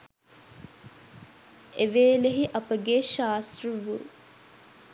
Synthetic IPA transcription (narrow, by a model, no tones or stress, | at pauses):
eʋeːleɦiʔɐpəɡeʃaːsrəʋu